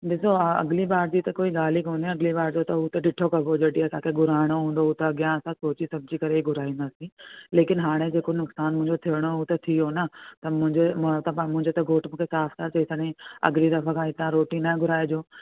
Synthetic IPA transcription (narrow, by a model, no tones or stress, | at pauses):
ɗɪsoɐ̰ɡlibaːɾd͡ʑiːt̪ɐkoːiɡaːlikoːniɐɡlibaːɽd͡ʑot̪ɐɦut̪ɐɖɪʈʰokɐbʱod͡ʑɐʈiɐsãkʰeɡʱʊɾaːɪɽ̃oɦũːnd̪oɦuːt̪ɐɐɡjãɐsãsoːt͡ɕisɐbʱd͡ʑikɐɾeiɡʱʊɾaːĩnd̪aːsĩleːkɪnɦaːɽ̃ed͡ʑeːkonʊksaːnmʊ̃ɪ̃ɲd͡ʑot̪ʰijəɽ̃ouːt̪ɐt̪ʰijonɐt̪ɐmʊ̃ɦɪ̃d͡ʑemt̪ɐmʊ̃ɦɪ̃ɲd͡ʑot̪ɐɡʱoːʈmũːkʰesaːft̪ʰat͡ɕɐɪsəɽĩɐ̰ɡlid̪ɐfɐkʰãɦɪt̪ãɾoːʈĩnãɡʱʊɾaːed͡ʑoː